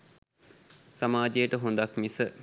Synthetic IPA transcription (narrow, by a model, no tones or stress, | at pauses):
samaːd͡ʒejəʈəɦund̪akmisə